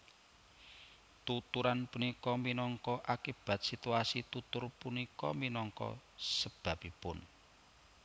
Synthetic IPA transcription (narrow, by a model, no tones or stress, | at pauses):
t̪ut̪uɾanpunikɔminɔŋkɔʔakib̥ä̤t̪̚sit̪uasit̪ut̪ʊrpunikɔ̰minɔŋkɔ̰səb̥a̤pipʊn